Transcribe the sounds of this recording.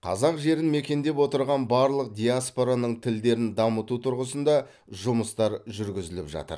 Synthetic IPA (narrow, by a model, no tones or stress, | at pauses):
qʰɑ̰zɑqʒe̞ɾɪnme̞kʲe̞nd̪e̞pwo̞t̪əɾʁɑnbɑɾlˠəq̚d̪ʲijaspo̞ɾanəɴt̪ʰɪld̪e̞ɾɪnd̪ɑmət̪ut̪ʰʊɾʁəsənd̪ɑ | ʒʊməst̪ɑɾʒʏɾɡʲɪzɪlɪpʒɑ̰t̪ə̰ɾ